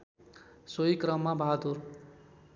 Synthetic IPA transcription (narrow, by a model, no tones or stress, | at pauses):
soikɾʌmːabʱaɦad̪ur